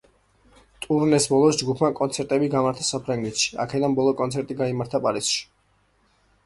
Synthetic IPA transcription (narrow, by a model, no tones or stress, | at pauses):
t̪ʼuɾnɛsbɔlˠɔsd͡ʒɡupʰmakʼɔnt̪sʰɛɾt̪ʼɛbiɡamaɾt̪ʰasapʰɾaŋɡɛt̪ʃi̥a̰kʰɛd̪anbɔlˠɔkʼɔnt̪sʰɛɾt̪ʼiɡaimaɾt̪ʰapʼaɾisʃi̥